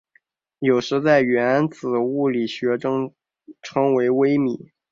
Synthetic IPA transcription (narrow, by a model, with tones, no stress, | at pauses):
jo˨˩ʊʂɻ̩˧˥t͡sa˥˩ɪɥɛ˧˥na˧˥nt͡sɹ̩˨˩u˥˩li˨˩ɕɥɛ˧˥ʈ͡ʂɤ˥ŋ | ʈ͡ʂʰɤ˧˥ŋwe˧˥ɪwe˥ɪmi˨˩˦